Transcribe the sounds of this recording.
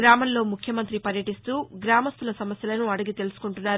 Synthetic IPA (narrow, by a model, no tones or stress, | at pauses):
ɾaːmɐnlo̞ːmukʰjɐmɐnt̪ɾipɐɾjɐʈist̪uːɡɾaːmɐst̪ulɐsɐmɐsjɐlɐnuɐɽɐɡit̪e̞lusu̥kuɳʈunːaːɾ